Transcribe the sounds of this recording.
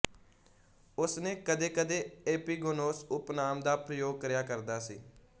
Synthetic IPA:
ʊsnẽːkəd̪eːkəd̪eːeːpiːɡoːnoːsʊpnaːmd̪aːpɾəjoːɡ̚kɾɪjaːkəɾd̪aːsḭː

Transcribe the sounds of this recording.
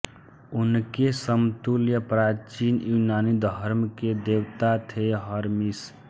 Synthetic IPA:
ʊnkesəmt̪uljəpɾaːt͡ʃinjunaːnid̪ʱəɾmked̪ewt̪at̪ʰeɦəɾmis

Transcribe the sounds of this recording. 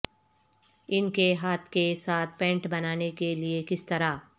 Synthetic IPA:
ɪnkeɦaːt̪ʰkesaːt̪̚ʰpɛ̃ːɳʈbɐnaːnekeliekɪst̪ɐɾaː

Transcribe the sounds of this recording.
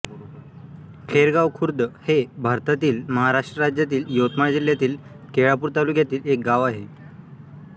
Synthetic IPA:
kʰeɾɡaʋkʰuɾd̪əhebʱaɾt̪at̪iːlməɦaɾaʂʈɾəɾad͡ʑjat̪iːljot̪maɽd͡ʑiljat̪iːl | keɭapuːɾt̪aluːkjat̪iːlek̚ɡaʋaɦe

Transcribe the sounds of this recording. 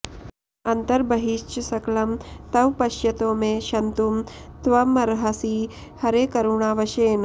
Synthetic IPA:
ɐnt̪ɐɾbɐɦiʃt͡ʃsɐklɐmt̪ɐʋpɐʃjɐt̪oːmeʃɐnt̪umt̪ʋɐmɐɾɦɐsi | hɐɾeːkɐɾuɳaːʋɐʃeːn

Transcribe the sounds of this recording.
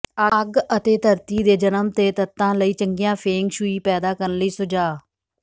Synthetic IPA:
əɡət̪eːt̪ʰəɾt̪iːd̪eːd͡ʒənəmt̪eːt̪ət̪ːãːləiːt͡ʃəŋɡɪjãːpʰeːŋɡʃuiːpɛːd̪aːkəɾənləiːsʊd͡ʒaː

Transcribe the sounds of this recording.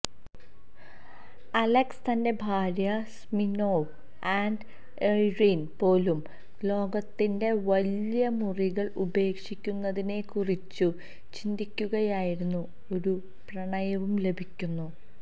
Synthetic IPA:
ɐlekst̪ɐnde̞bʱaːɾjɐsmino̞ː | aːɳɖ | eririnpo̞ːlum | lo̞ːɡɐt̪ːinde̞ʋɐljɐmuriɣɐɭube̞ːkʂikʲːunːɐðine̞kurit͡ɕːu | t͡ɕind̪ikʲːuɣɐjaːjiɾunːu | o̞ɾu | prɐɳɐjɐʋumle̞bʱikʲːunːu

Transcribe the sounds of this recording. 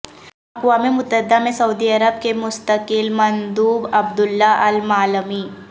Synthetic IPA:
ɐqʋaːmimʊt̪əd̪amẽsɐud̪iɐɾəb̚kemʊst̪əkɪlmɐnd̪uːbɐbd̪ʊlːaʔɐlmaːləmiː

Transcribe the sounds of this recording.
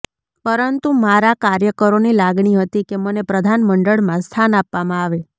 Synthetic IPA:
pəɾənt̪umaɾakaɾjəkəɾonilaɡɳiɦət̪ikemənepɾəd̪ʱanməɳɖəɭmãst̪ʰanapʋamãaʋe

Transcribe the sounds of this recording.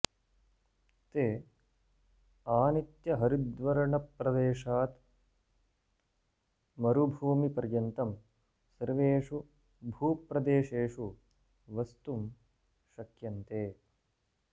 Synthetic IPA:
t̪eː | aːnit̪jɐɦɐɾid̪ʋɐɾɐɳɐpːɾɐd̪eːʂaːt̪ | mɐɾubʱuːmipɐɾjɐnt̪ɐm | sɐɾʋeːʂu | bʱuːpɾɐd̪eːʃeːʂu | ʋɐst̪um | ʃɐkjɐnt̪eː

